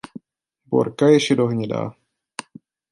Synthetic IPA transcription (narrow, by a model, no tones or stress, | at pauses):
bo̰ɾkajɛʃɛdoɦɲɛda̰ː